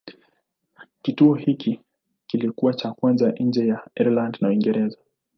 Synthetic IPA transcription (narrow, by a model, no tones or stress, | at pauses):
kituɔhikʰi | kilikuwat͡ʃakwanzaʔn̩d͡ʒɛjaɛɾlandnauiŋɡɛɾɛza